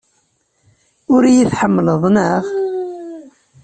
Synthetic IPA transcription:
ʊɾjiθħəmːələðˤnəʁ

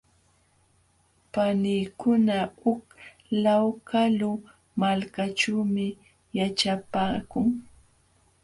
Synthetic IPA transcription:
panijkʊnaʊk | lawkalʊ | malkat͡ʃuːmɪ | jat͡ʃapaːkʊŋ

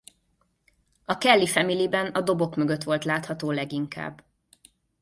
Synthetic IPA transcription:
ɒkɛlːifɛmilibɛnɒd̪o̞bo̞kmøɡø̞t̪ʋo̞lt̪laːt̪hɒt̪oːlɛɡiŋka̰ːbː

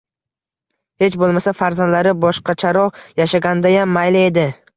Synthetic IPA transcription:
he̞t͡ʃbolˠmasafaɾzand̪laɾɪbɒʃqɑt͡ʃʰaɾɒjaʃaɡʲand̪ajamːajlɪed̪ɪ

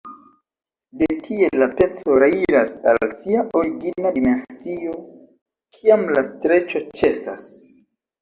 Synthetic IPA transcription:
dekʰie̞ːape̞t͡so̞ɾaiɾasa̰lsiaʔo̞ɾiɡinadime̞nsio̞ | kʰiamlastɾe̞t͡ʃo̞t͡ʃe̞sa̰s

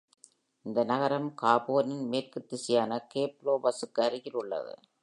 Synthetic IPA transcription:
ɪnd̪ɐnɐɣɐɾɐmkaːboːnɪnmeːrkɯt̪ːɪsɪjaːnɐkeːploːbɐsɯkːɯɐɾɪɣɪrɯɭːɐ̰ðɯ̰

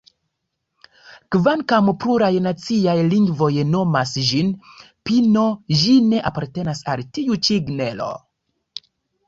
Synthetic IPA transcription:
kvankampluɾajnat͡siajliŋɡvo̞jno̞masʒin | pino̞ʒine̞ʔapaɾte̞nasa̰ltiut͡ʃiɡne̞lo̞̰

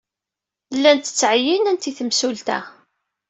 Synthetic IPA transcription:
lːænt̪ə̥t͡sːʕəjinænt̪iθəmsult̪æ̰

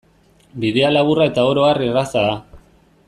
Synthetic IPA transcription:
biðe̞alaβurae̞t̪ao̞ɾo̞arierasaða

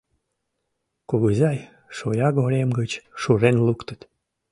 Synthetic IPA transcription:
kuɣəzɑj | ʃojɑɡoɾemɡət͡ɕʃuɾenlukt̪ə̥t̪

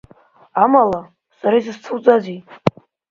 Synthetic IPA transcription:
amala | saɾaizɨst͡sʰɨwt͡sʼazi

